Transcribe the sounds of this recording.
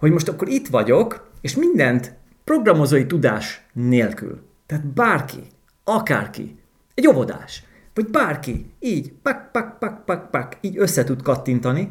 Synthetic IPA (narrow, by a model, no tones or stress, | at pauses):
ho̞ɟmo̞ʃt̪ɒkːo̞ɾit̪ʋɒɟo̞keːʃmind̪ɛnt̪ | pro̞ɡrɒmo̞zoːjit̪ud̪a̰ːʃneːlky̰l | t̪ɛaːt̪baːrkḭ | ɒka̰ːrkḭ | ɛɟo̞vo̞d̪a̰ːʃ | ʋɒɟbaːrkiiːɟpak̚pak̚pak̚pak̚pakiːɟø̞sːɛt̪ut̪kɒt̪ːint̪ɒni